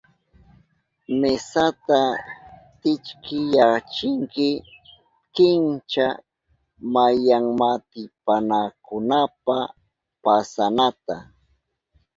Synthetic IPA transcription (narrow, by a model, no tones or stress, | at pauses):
mesat̪a | t̪ɪt͡ʃkʰɪjat͡ʃɪŋkɪ | kɪnt͡ʃa | majaŋmat̪ɪpanakʊnapa | pasanat̪a